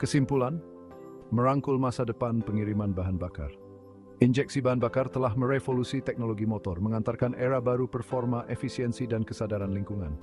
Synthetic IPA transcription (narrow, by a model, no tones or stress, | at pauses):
kəsimpulan | mə̃ɾaŋkʊlmasadəpanpəŋiɾimãnbaɦanbaka̰r | ind͡ʒɛk̚sibaɦanbakart̪əlahmə̃ɾefolusit̪ɛk̚noloɡimot̪ɔrməŋant̪arkanʔeɾabaɾupərfɔrmaʔefisiɛnsidankəsadaɾanliŋkuŋãn